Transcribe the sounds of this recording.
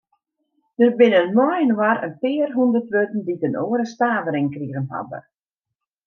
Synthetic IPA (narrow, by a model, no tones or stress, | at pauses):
d̥ərbɪnənmɔjənwaɾə̰nfɪːərɦundərtʋøtən̩ditənoːəɾəstaːvəɾɪŋkriəɣənha̰də̰